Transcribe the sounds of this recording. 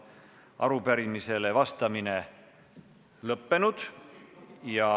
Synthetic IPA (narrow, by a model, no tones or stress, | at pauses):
ʔɑ̰ɾupæɾimise̞le̞vɑst̪ɑmine̞ | lɤpːe̞nud̪̥ | jɑ